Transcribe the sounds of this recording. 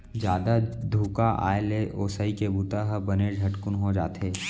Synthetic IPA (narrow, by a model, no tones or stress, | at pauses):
d͡ʒjaːd̪ad̪ʱuːkaʔa̰ːeleʔoːsaikebut̪aɦɐbɐned͡ʒʱɐʈkʊnɦod͡ʒaːt̪eː